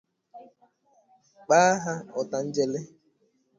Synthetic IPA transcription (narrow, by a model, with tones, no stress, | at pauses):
k͡pa˦ɦa˦ɔ˨ta˨n̩˦d͡ʒe˦le˦